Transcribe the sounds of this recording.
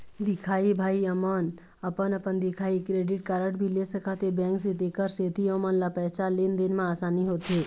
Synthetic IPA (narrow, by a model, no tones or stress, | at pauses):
d̪ɪkʰaːibʱaːiəmən | əpənəpənd̪ikʰaːikɾeɖɪʈ̚kaɾəʈbʱilesəkʰat̪ebɛ̃ŋksẽt̪ekəɾset̪ʰiəmənlapɛːt͡ʃalend̪inmãaːsaːniɦot̪e